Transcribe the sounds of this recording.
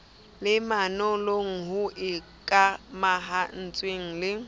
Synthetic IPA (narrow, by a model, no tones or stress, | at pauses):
lɪmanɔloŋ̩ɦʊʔɪ | kʼamaɦan̩t͡sʼweŋ̩lɪ